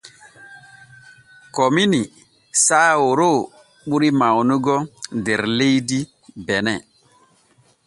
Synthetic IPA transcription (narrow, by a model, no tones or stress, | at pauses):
kɔmini | saːwoɾo | ɓuɾimawnuɡɔdeɾlejdi | bɛnɛ